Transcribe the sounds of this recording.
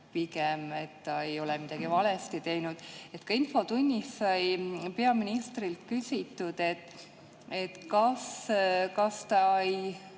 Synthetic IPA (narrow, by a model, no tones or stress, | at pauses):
pikemet̪ːɑejo̞lɛmid̪̥ɑɡ̥ivɑlest̪it̪e̞jnud̪̥e̞t̪kɑinfo̞t̪unʲːissɑjpe̞ɑminist̪rilt̪kysʲit̪ːˑud̪̥e̞t̪ːˑ | et̪kɑskɑst̪ɑej